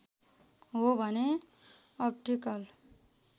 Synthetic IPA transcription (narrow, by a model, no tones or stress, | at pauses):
ɦobʱʌne | ʌp̚ʈikʌl